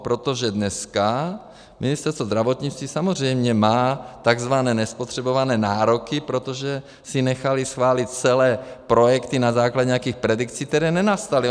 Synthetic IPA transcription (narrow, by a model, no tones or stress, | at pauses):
pɾot̪oʒɛdnɛska | mɪnɪst̪ɛɾst̪vo̞zd̪ɾavot̪ɲit͡st̪viːsamozr̝ɛjmɲɛmaːt̪aɡzvanɛːnɛspo̞t̪r̥ɛbo̞vanɛːnaːɾo̞kɪpɾo̞t̪oʒɛ | sɪnɛxalɪsxvaːlɪt̪̚t͡sɛlɛːpɾo̞jɛkt̪inazaːklaɟɛɲjakiːxpɾɛdikt͡sik̚t̪ɛɾɛːnɛnast̪alɪ